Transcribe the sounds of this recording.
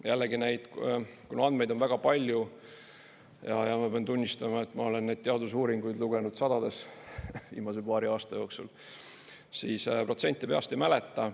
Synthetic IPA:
jʔælːeɡine̞jd̪̥kunoɑnd̪me̞jd̪o̞nvæɡ̥ɑpɑlʲju | jɑ̰jɑmɑpeɑnt̪unʲːist̪ɑmɑe̞t̪ːˑmɑo̞le̞nːe̞d̪̚t̪eɑd̪usuːɾiŋɡ̥ujd̪luɡenud̪̥sɑd̪̥ɑd̪e̞svḭːmɑsepɑːɾiɑːst̪ɑjo̞ːksṵl | siːspro̞t̪se̞nʲt̪ːˑipeɑ̰st̪ejmælet̪ːˑɑ

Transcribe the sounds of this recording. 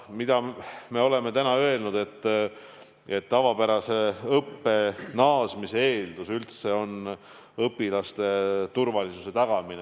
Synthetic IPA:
mid̪̥ɑme̞o̞le̞me̞t̪ænɑø̞e̞lnud̪̥e̞t̪ˑː | et̪ːɑvɑpæɾɑse̞ɤpːe̞nɑːsmiseeːld̪̥usylt̪se̞o̞n | ɤpːˑilɑst̪e̞t̪urvɑlisuse̞t̪ɑɡ̥ɑmine

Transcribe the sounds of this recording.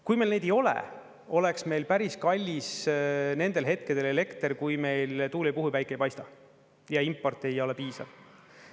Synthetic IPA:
kujmejlne̞jd̪ejo̞lḛ | o̞le̞ksme̞jlpæɾiskɑlʲːisne̞nd̪̥e̞lɦe̞t̪̚ked̪̥e̞le̞le̞kt̪eɾkujme̞jlt̪uːlʲipuɦuvæjkːˑejpɑjst̪ɑ | jɑimpːˑo̞rt̪ːˑe̞jo̞le̞piːsɑ̰v̥

